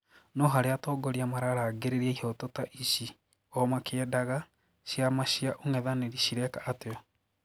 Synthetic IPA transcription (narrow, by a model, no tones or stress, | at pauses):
nɔɦaɾeatɔːɡoɾiamaɾaɾaɡeɾeɾiaihɔtotaʔiɕi | ɔmakeɛdaɣa | ɕjamaɕiaʔoŋɛðaneɾiɕiɾɛkaʔːteɔ